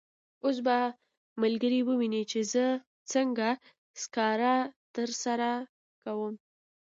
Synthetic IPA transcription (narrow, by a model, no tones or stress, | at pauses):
os̬ba | malɡəɾiwəwinit͡ʃezə | t͡səŋɡa | skɑɾat̪əɾsaɾa | kawəm